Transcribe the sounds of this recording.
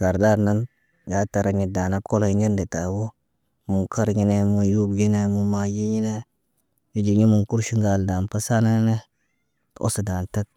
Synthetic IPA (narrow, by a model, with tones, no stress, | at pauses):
ɡa˨ɾda˦ɾna˦n | ɡa˨˦ta˨ɾa˨ɲi˨da˨na˦ko˦lo˦i˦ɲi˦nde˨ta˨wo˦ | mu˨ka˦ɾɡi˦ne˦mu˨ju˦bɡi˦ne˦mu˨ma˦˨ji˦ɲi˦ne˦ | ji˦d͡ʒi˨ɲi˦mu˨nku˦ɾʃi˦ŋɡa˨lda˨npa˦sa˦na˦ne˦ | to̰˦sa˨da˨nta˦t̚